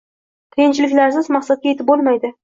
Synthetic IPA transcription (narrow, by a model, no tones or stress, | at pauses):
k̪ʰejɪnt͡ʃɪlɪkʲlaɾsɪzmaqsat̪̚kʲajet̪ʰɪp̚bolˠmajd̪ɪ